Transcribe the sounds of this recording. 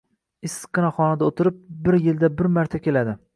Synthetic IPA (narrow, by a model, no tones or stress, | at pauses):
ɪsqːɨnaχɒnad̪aot̪ʰɪɾɪp̚bɪɾjɪld̪abɪɾmaɾt̪ʰakʲe̞lad̪ɪ